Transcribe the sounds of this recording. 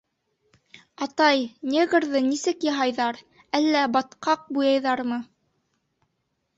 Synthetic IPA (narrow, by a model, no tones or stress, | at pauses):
ɑt̪ɑjnʲeɡɾðɤnisɘkjɑ̆ɦɑjðɑɾ | ælːæbɑt̪qɑq̚bujɑjðɑɾmɤ